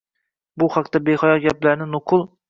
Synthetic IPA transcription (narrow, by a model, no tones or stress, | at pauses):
buχɑqt̪ɛbeχɑjɑɡʲɛplæɾnɪnʊqʰʊlˠ